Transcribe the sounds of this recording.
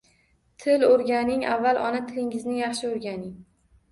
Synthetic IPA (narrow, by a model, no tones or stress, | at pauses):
t̪ʰɪlɵɾɡʲanɪŋʔavːalˠʔɒ̰nat̪ʰɪlɪŋɪznɪjɑχʃɪoɾɡʲanɪŋ